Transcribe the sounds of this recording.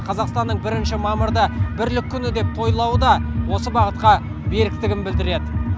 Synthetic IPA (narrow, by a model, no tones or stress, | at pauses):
qʰɑzɑqst̪ɑnːəɴbɪɾɪnʃɪmɑməɾd̪əbɪɾlɪkʲʰːʏnɪd̪e̞p̚t̪ʰo̞jlˠɑwəd̪ɑwo̞səbɑʁət̪̚qɑ | be̞ɾɪk̚t̪ɪɡʲɪmbɪld̪ɪɾe̞d̪ɪ